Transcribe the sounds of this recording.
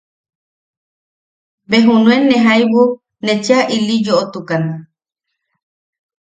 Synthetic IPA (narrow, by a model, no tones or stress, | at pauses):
beɦunũenẽɦajβu | net͡ʃeaʔilid͡ʒoʔot̪ukana